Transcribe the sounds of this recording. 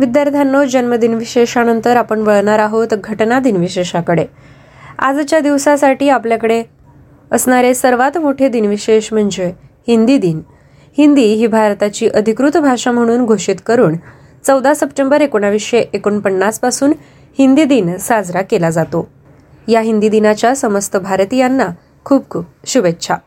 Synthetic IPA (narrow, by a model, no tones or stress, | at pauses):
ʋid̪jaɾt̪ʰanːod͡ʑənməd̪inʋiɕeɕanənt̪əɾapəɳʋəɭɳaɾaɦot̪ɡʱəʈnad̪inʋiɕeɕakəɽe | a̰d͡zt͡ɕjad̪iʋsasaʈiːapljakəɽe | əsɳaɾesəɾʋat̪moʈʰed̪inʋiɕeɕm̤əɳd͡zehind̪id̪in | hind̪iːɦiːbʱaɾt̪at͡ɕiːʔəd̪ʱikɾut̪bʱaʂam̤əɽ̃uːnɡʱoʂit̪kəɾuːn | t͡səwd̪asəpʈembəɾekoɳ̃aʋiʂeʔekoɳpəɳːaspasuːn | hind̪id̪insad͡zɾakelad͡zat̪o | jaɦind̪id̪inat͡ɕjasəməst̪əbʱaɾt̪ijanːa | kʰuːpkʰuːp̚ɕubetːɕʰa